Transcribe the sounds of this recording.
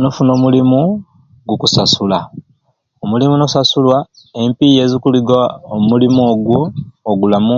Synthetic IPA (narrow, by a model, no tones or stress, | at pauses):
no̞funo̞ːmulimu | ɡukusasula | omulimuno̞sasulwa | e̞mpije̞ːzikuliɡaomulimoːɡwoːɡulamu